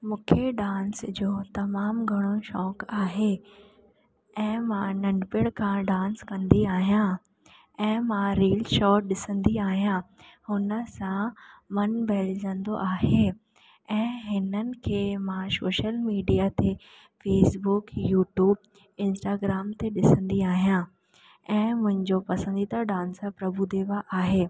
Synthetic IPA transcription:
mũːkʰeɖãːnsd͡ʑoːt̪ɐmaːmɡʱɐɽ̃oʃɔːkaːɦe | ɛ̃ːmãnɐ̃ɳɖpɪɽkʰãɖãːnskɐ̃nd̪iaːɦijã | ɛ̃ːmãɾiːlʃɔːʈ̚ɗɪsə̃nd̪iaːɦijãhʊnə̆sãmɐnbʱɛːld͡ʑə̃nd̪oʔaːɦe | ɛ̃ːɦɪnənɪ̆kʰeːmãsoːʃəlmiːɖijat̪e | feːsbʊkjuːʈjuːb | ɪ̃nsʈaːɡɾaːmt̪eɗɪsə̃nd̪iaːɦijã | ɛ̃ːmʊ̃ɦɪ̃ɲd͡ʑopɐsə̃nd̪it̪ʰaɖãːnspɾɐbud̪eːʋaʔaːɦeː

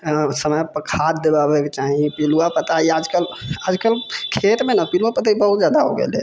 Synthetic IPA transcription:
səməjpəkʰad̪ebabeket͡ʃaɦipiluapət̪aiad͡ʒkəlad͡ʒkəlkʰet̪menapiluapət̪aibəɦut̪̚d͡ʒjad̪aɦo̰ɡḛlḛ

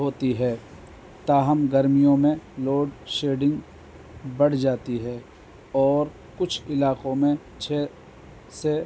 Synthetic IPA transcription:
ɦoːt̪iɦɛː | t̪aːɦəmɡɐɾmijõmẽloːɖʃeːɖɪ̃ŋɡ | bɐɽ̤d͡ʒaːt̪iɦɛː | ɔːɾ | kʊt͡ʃʰɪlaːqõmẽ | t͡ʃʰeː | se

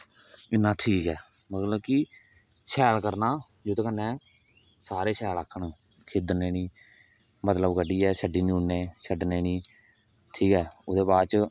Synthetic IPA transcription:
ɪnːãːt̪ʰiːkɛːmət̪ləb̚kɪ | ʃɛːlkəɾnaːd͡ʒoːt̪eːkənːẽː | saːɾeːsɛːlaːkʰːəɳ | kʰeːd̪neːniː | mət̪ləbkəɖiːɛːsəɖiːnĩunːeːsəɖneːniː | t̪ʰiːkɛːʊd̪eːbaːɾt͡ʃ

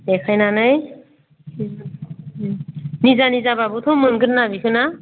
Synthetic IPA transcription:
ekʰajnanaj | nizanizababɯt̪ʰomɯnɡɯɾnabikʰɯna

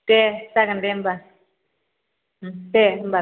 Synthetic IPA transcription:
tɛsakandɛmba | tɛmba

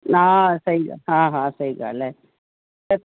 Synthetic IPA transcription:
aːsɐɾɪŋɡɐ̰ɦãːɦãːsɐɾɪŋɡɐ̰ːlːe | ɐ

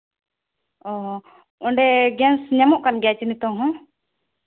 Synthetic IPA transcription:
ɔɦ | ɔɳɖɛɡɛnsɲamɔʔkanɡɛt͡ʃinit̪ɔŋɦɔ̃

